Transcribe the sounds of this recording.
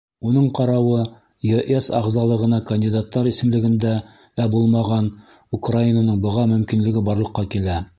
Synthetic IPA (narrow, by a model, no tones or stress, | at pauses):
unɤɴqɑɾɑwɤ | joʔesɑ̰ʁzɑlˠɤ̆ʁɤ̆nɑkɐnʲdʲid̪at̪ːɑɾisɘ̆mlɘ̆ɡɘ̆nd̪æ | æbulˠmɑʁɑn | ukrainanɤɴbɤ̆ʁɑmɵ̆mkinlɘ̆ɡɘbɑɾlˠɤ̆qːɑkilæ